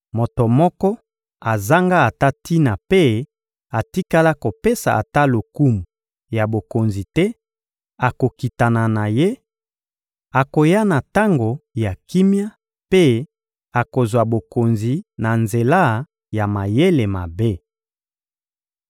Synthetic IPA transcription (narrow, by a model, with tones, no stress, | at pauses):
mo˨to˨mɔ˦kɔ˦ | a˨za˦ŋɡa˦a˨ta˦ti˦na˨pe˦ | a˨ti˦ka˦la˦ko˨pe˦sa̰˨a̰˨ta˦lo˨ku˦mu˨ | ja˨bo˨ko˨nzi˨tɛ˦ | a˨ko˨ki˨ta˨na˨na˨je˦ | a˨ko˨ja˦na˨ta˦ŋɡo˨ja˨ki˦mja˦ | pe˦ | a˨ko˨zwa˨bo˨ko˨nzi˨na˨nze˨la˦ | ja˨ma˨je˦le˨ma˨be˦